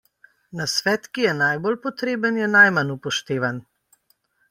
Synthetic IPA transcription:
nasʋɛːt̪kijɛnajbolpɔt̪ɾeːbənjɛnajmanupɔʃt̪eːʋan

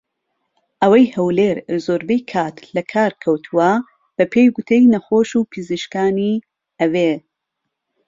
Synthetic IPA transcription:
ʔɐwɐjhɐwleɾzoːɾbejkʰaːt̪ʰlɐkʰaːɾkʰɐwt̪ʰuwɐ | b̥ɐpʰejɡut̪ʰejnɐxoːʃuːpʰɨziʃkaːni | ɐwe

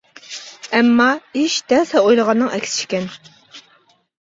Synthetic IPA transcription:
ɛmːɑiʃd̪ɛnsɛojlˠəʁɑnːɨŋɛkʲsɪ̥t͡ʃʰi̥kʲɛn

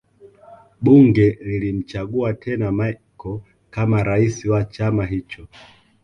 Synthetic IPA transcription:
ɓuŋɡɛlilim̩t͡ʃaɠuatʰɛnamakɔ | kamaɾaisiwat͡ʃamaɦit͡ʃɔ

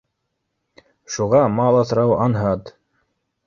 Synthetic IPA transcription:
ʃuʁɑmɑlˠɑsɾɑwɑnɦɑt̪

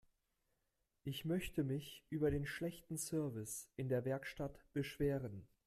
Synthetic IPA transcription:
ʔɪçmœçtəmɪçʔyːbɐɾeːnʃlɛçtn̩sœɐvɪsʔɪndeːɐvɛɐkʃtatb̥əʃv̥eːʁən

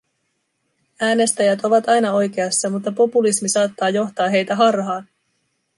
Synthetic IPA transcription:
æːne̞st̪æjæt̪o̞ʋɑt̪ɑjnɑo̞jk̟e̞ɑsːɑmut̪ːɑpo̞pulismisɑːt̪ːɑːjo̞xt̪ɑːɦe̞jt̪æɦɑrɦɑːn

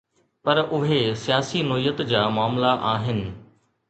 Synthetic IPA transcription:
pɐɾʊɦesijaːsinɔːijət̪d͡ʑaːmaːmlaʔaːɦɪnɪ̆

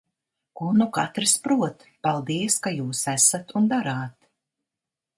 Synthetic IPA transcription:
kunuka̰t̪ɾɨspɾuɔt̪palˠd̪iɛskajuːsæsat̪und̪aɾaːt̪

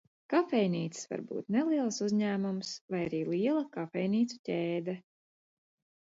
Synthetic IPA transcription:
kafɛjniːt̪ssva̰ɾbṵːt̪nelˠiɛlˠsuzʲɲæːmumsvajaɾiːlˠiɛlˠɐkafɛjniːt̪su̥tʲeːd̪ɛ

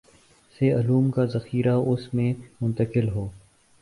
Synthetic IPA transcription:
seɐluːmkazɐxiːɾaʊsmẽmʊ̃nt̪əkɪlɦoː

